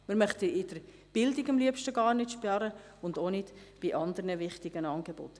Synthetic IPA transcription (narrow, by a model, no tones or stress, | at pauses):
mɪɾmœχt̪iɪd̥əɾ | b̥ɪldiɡɑmliəpʃtəɡɑːɾnɪtʃpɑɾə | ʊnd̪onɪtb̥iʔɑnd̪əɾnəʋɪχtɪɡ̥ənɑːnɡebo̰t̪